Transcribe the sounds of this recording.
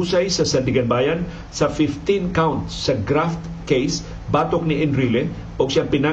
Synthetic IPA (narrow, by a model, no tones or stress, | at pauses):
usajsəsəndiɡanbajan | safift̪inkawnt̪sːəɡɾaft̪ | kejs | bat̪ɔk̚niʔɪnɾilɛn | bɔksiapina